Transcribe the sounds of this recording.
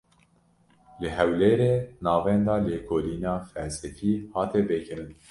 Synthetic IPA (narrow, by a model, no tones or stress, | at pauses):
lɨɦɛwleːɾeːnɑːvɛnd̪ɑːleːkʰoːliːnɑːfɛlsɛfiːhɑːt̪ɛbɨkɨɾɨn